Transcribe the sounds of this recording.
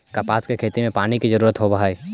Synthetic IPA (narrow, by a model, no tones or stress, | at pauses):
kapaːskekʰeːt̪imẽpaːñikizəɾuːɾət̪ɦobəɦaeː